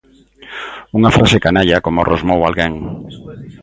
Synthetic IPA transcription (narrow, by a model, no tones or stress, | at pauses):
uŋafɾasekanaʎakomorʔozmowalɣeŋ